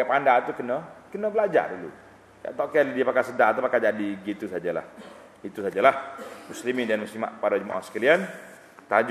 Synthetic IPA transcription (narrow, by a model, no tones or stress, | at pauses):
apandat̪ukənəkənəbəlad͡ʒa̰dulṵ | ja̰ʔt̪ɔʔkɛldiəpakasədaʔt̪̬upakad͡ʒadiɡit̪usad͡ʒala̰h | it̪usad͡ʒalahmuslimindanmuslima̰ʔpaɾad͡ʒuma̰ʔa̰sə̥kalian | t̪ad͡ʒ